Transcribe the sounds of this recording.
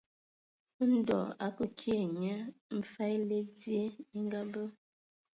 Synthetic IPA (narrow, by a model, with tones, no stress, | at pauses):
n̩˦dɔ̰˨a̰˦kə˦kʰje˨ɲə˦m̩˦fa˦le˦dje˦i˦ŋ˦ɡa˦bə˦